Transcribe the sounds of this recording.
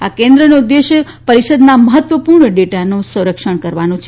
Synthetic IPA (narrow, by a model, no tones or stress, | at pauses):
akẽnd̪ɾənod̪ːeʃ | pəɾiʃəd̪naməɦət̪ʋəpuɾɳəɖeʈanõsə̃ɾəkʃəɳkəɾʋanõt͡ʃʰe